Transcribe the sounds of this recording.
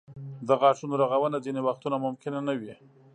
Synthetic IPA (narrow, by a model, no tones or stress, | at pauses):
d̪əɣɑʂunoɾaɣawənad͡zinewaxt̪unamʊmkɪnanawi